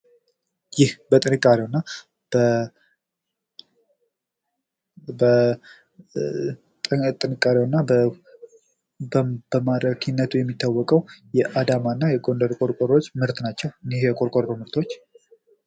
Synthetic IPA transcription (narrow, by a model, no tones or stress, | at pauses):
jɪhbət̪ʼɨnɨkʼːaɾiwnːa | b̥ə | bə | t̪ʼt̪ʼɨnɨkʼːaɾewnːab | bbəmaɾəkʰinːət̪ʰujɛmːit̪ːawːɔkʼəwjɛʔad̪amanːajɛɡo̞nd̪əɾkʼo̞ɾkʼoɾo̞t͡ʃːmɨɾt̪nat͡ʃːɛwɨnɪhjɛkʼoɾkʼoɾɾomɨɾt̪ʰo̞t͡ʃː